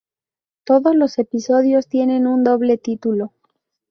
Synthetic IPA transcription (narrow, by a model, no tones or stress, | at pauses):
t̪o̞ðo̞zlo̞se̞piso̞ðjo̞st̪je̞nẽ̞nund̪o̞β̞le̞t̪it̪ulo̞